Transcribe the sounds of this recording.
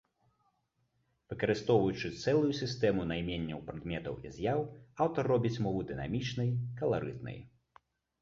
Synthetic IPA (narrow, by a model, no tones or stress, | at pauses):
v̥ɨkɐɾɨst̪ɔwvɐjut͡ʂɨt̪sɛlˠujusʲist̪ɛmunajmʲenʲːɐwpɾad̪mʲɛt̪ɐ̰wḭzʲjawawt̪ɐrːɔbʲit͡sʲmɔvɨd̪ɨna̰mʲit͡ʂnɐjkɐlˠaɾɨ̰t̪nɐ̰j